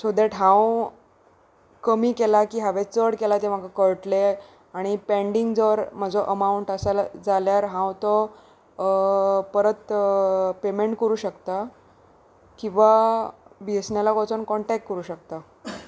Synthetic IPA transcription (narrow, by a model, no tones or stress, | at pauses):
sod̪ɛʈɦãw | kəmiːkelakiːɦaʋet͡səɽkelat̪em̤akakəɭʈle | aɽ̃ipeɳɖiŋɡd͡zəʋɾm̤ad͡zɔʔəmauɳʈəsald͡zaljaɾɦãwt̪ɔ | pəɾət̪ | pemeɳʈkəɾuːɕəkt̪a | kĩw̃ʋa | biesɳjalakɔt͡sənkɔɳʈɛk̚ʈkːəɾuːɕək̚t̪a